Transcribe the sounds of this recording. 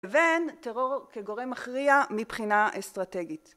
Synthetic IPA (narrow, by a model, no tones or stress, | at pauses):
eventeʁo̞ʁkeɡo̞ʁemaχʁiamipχinaʔestʁate̞ɡit